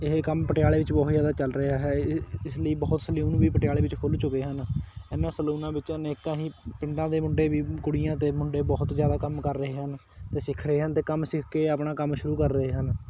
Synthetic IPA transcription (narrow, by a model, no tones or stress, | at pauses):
ɪɦeːkəmpəʈɪjaːleːʋɪt͡ʃbɔːt̪d͡ʒjaːd̪aːt͡ʃəlɾəaːɦɛːɪsləiːbɔːʊt̪səluːnʋiːpəʈjaːleːʋɪt͡ʃkʰʊlt͡ʃʊkeːɦənɛːnãːsəluːnãːʋɪt͡ʃənɪkːãːɦiːpɪ̃ɳɖãːd̪eːmʊɳɖeːʋiːkʊɽijãːt̪eːmʊɳɖeːbɔːt̪zjaːd̪aːkəmkəɾːəɦeːɦən | t̪eːsɪkʰɾəɦeːɦənt̪eːkəmsɪkʰkeːapɳaːkəmʃʊɾuːkəɾːəeːɦən